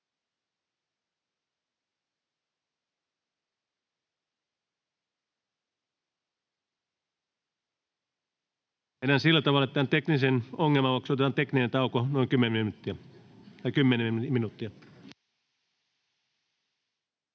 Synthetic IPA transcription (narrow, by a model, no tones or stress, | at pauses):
enːænsilːæt̪ɑʋɑlːˑɑet̪ːˑeæːnt̪eknisenoŋːelmɑoksot̪et̪ɑːnt̪ekninent̪ɑˑukonoikymːeinut̪ːiæ | t̪ɑikymːeneminut̪ːiæ